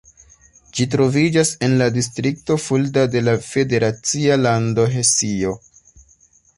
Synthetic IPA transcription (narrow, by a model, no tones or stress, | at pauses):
d͡ʒitɾo̞vid͡ʒase̞nladis̬tɾik̚to̞fuldade̞lafe̞de̞ɾat͡sialando̞ɦe̞sio̞